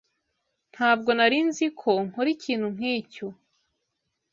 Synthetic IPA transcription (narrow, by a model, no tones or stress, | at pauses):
n̥haːb̚ɡo̞naɾinzikʰo̞ŋ̥oɾiciːn̥hum̥iːco